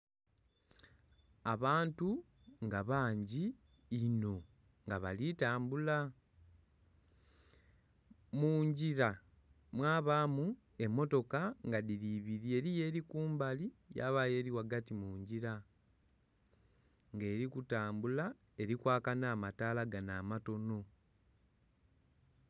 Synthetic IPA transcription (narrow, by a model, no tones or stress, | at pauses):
aβaːntu | ŋɡaβaːɲɟiː | no̞ | ŋɡaβalitaːmbula | muːɲɟiɾa | mwaːβaːmu | e̞mːo̞to̞kaŋɡaðiɾiβiɾie̞ɾije̞ːɾikuːmbalija̰βaje̞ɾiwaɡatimuːɲɟiɾa | ŋɡe̞ːɾikutaːmbula | e̞ɾikwaːkanaːmataːlaɡanaːmato̞no̞